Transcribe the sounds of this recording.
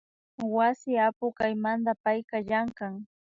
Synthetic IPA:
wasɪapʊkajmand̪apajkaʎaŋkaŋ

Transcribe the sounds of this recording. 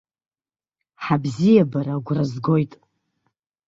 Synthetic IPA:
ħabzijabaɾaɡʷrazɡo̞jtʼ

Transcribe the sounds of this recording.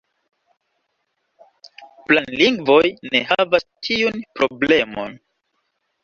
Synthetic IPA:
planliŋɡvo̞jne̞havastʰiunpɾo̞ble̞mo̞̰n

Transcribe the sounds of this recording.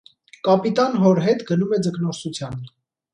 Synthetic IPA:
kɑpit̪ɑnɦɔɾɦɛt̪ɡənumɛd͡zəknɔsut͡sʰjɑn

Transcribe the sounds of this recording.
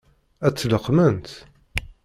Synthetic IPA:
æt͡sːləqːmənt̪

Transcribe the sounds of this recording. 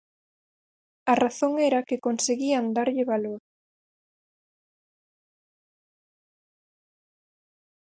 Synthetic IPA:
ɐraθoŋɛɾɐkɪkonseɣiand̪aɾʎɪβaloɾ

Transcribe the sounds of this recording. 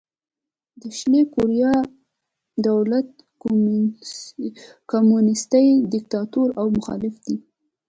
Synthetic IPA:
d̪əʃlekuɾijɑ | d̪awlat̪̚ | komunɪst̪ajd̪ɪk̚t̪ɑt̪oɾawmʊxɑ̰lɪfd̪i

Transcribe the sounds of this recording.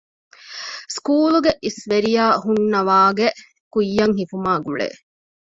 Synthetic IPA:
skuːluɡeʔisʋeɾijaːhunːɐʋaːɡe | kujːɐŋɦifumaːɡuɭḛː

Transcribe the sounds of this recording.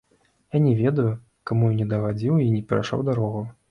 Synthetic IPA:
janʲɛvʲɛd̪ɐju | kamujunʲɛd̪ɐɣad͡zʲiwinʲɛpʲɛɾa̰ʂa̰wd̪aɾɔɣɐ

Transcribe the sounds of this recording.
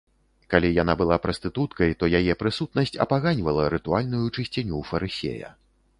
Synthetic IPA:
kalʲijanabɨlˠapɾɐst̪ɨt̪ut̪kɐjt̪ɔjajɛpɾɨsut̪̚nɐsʲt͡sʲɐ̰paɣanʲvɐlˠɐɾɨt̪ualʲnujut͡ʂɨsʲt͡sʲanʲufɐɾɨsʲḛjɐ̰

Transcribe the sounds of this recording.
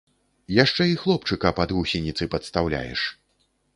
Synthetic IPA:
jaʂt͡ʂɛixlˠɔpt͡ʂɨkɐpad̪ɣusʲinʲit̪sɨpɐt̪st̪awlʲa̰jɛ̰ʂ

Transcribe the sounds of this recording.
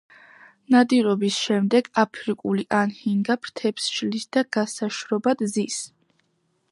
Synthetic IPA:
nad̪iɾɔbisʃɛmd̪ɛɡapʰɾikʼuliʔanhiŋɡapʰɾt̪ʰɛpsʃlisd̪̥aɡ̥asaʃɾɔbad̪zis

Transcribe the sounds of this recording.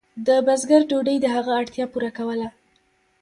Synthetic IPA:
d̪əbazɡaɾɖoɖəjd̪əɦaɣaːɽt̪jɑpuɾakawəla

